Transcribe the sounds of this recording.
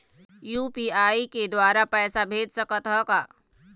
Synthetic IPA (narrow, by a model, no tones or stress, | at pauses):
juːpiːaːiked̪waːɾapɛːsabʱeːd͡ʒsəkət̪ɦɔkaː